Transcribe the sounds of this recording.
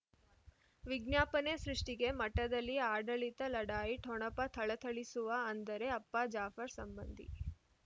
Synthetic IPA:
ʋiɡnjaːpɐnesɾuʂʈiɡe̞mɐʈːɐd̪ɐlːiaːɖɐɭit̪ɐlɐɽaːjiʈʰɔɳɐpɐt̪ʰɐɭɐt̪ʰɐɭisuʋɐːnd̪ɐɾe̞ɐpːad͡ʒaːfɐɾsɐmbɐnd̪ʱḭ

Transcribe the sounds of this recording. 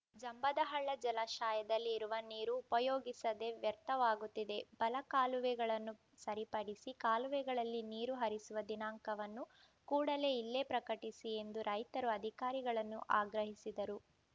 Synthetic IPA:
d͡ʒɐmbɐd̪ɐɦɐɭːɐd͡ʒɐlɐʃaːjɐd̪ɐlːiːɾuʋɐniːɾuːpɐjoːɡisɐd̪e̞ʋjɐɾt̪ɐʋaːɡut̪ːid̪e̞b̥ɐlɐkaːluʋɛɡɐɭɐnːu | sɐɾipɐɽisikaːluʋɛɡɐɭɐlːiniːɾuɦɐɾisuʋɐd̪inaːŋkɐʋɐnːu | kuːɽɐle̞ilːepɾɐkɐʈisie̞nd̪uɾɐjt̪ɐɾuɐd̪ʱikaːɾiɡɐɭɐnːuʔaːɡɾɐɦisid̪ɐɾu

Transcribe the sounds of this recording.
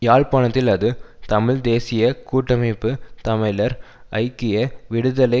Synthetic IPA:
jaːɭpaːɳɐt̪ːɪlɐðɯt̪ɐmɪɻd̪eːsɪjɐkuːʈːɐmɐɪpːɯt̪ɐmɐɪlɐɾ | ɐɪkːɪjɐʋɪɽɯðɐlɐɪ

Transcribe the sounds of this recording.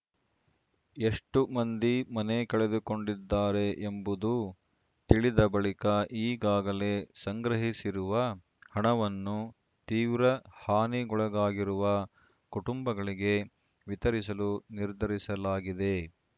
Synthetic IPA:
e̞ʂʈumɐnd̪imɐnekɐɭed̪uko̞ɳɖid̪ːaːɾeʔembud̪u | t̪iɭid̪ɐbɐɭikɐʔiːɡaːɡɐle̞sɐŋɡɾɐɦisiɾuʋɐ | hɐɳɐʋɐnːu | t̪iːʋɾɐhaːniɡɔɭɐɡaːɡiɾuʋɐ | kuʈumbɐɡɐɭiɡe̞ | ʋit̪ɐɾisɐluniɾd̪ʱɐɾisɐlaːɡid̪e̞

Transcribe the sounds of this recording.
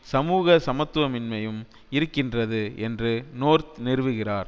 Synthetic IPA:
sɐmuːɣɐsɐmɐt̪ːʋɐmɪnmɐjɯm | ɪɾɯkːɪndrɐðɯʔɛndrɯnoːɾt̪nɪɾɯʋɯɣɪraːɾ

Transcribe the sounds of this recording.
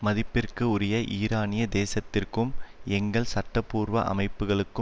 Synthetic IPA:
mɐðɪpːɪrkɯʊɾɪjɐʔiːɾaːnɪjɐd̪eːsɐt̪ːɪrkɯmɛŋɡɐɭsɐʈːɐpːuːɾʋɐ̰ʔɐ̰mɐɪpːɯɣɐɭɯkːɯ

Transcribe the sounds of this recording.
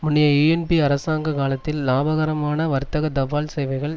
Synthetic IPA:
mʊnːɪjɐiɛnpiɐɾɐsaːŋɡɐkaːlɐt̪ːɪlːaːbɐɣɐɾɐmaːnɐʋɐɾt̪ːɐɣɐd̪ɐʋaːlsɛjʋɐɪɣɐɭ

